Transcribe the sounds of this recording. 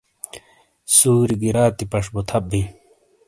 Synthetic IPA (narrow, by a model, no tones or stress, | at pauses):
suːɾiɡiɾaːt̪ipɐʂbut̪ʰɐp̚bi